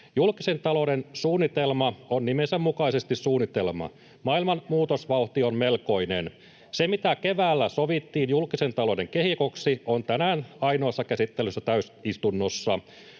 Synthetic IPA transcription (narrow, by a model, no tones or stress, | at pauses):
julkise̞nt̪ɑlo̞densuːnːit̪e̞lmɑonnimensemːukɑisest̪issuːnːit̪e̞lmɑ̰ | mɑilmɑnmuːt̪osʋɑuht̪ionme̞lko̞inḛn | semit̪æke̞ʋæːlːæsoʋit̪ːiːnjulkise̞nt̪ɑlo̞de̞ŋkeɦhikoksiont̪ænæːnɑino̞ːsːɑkæsit̪ːelysːæt̪æysist̪unːosːɑ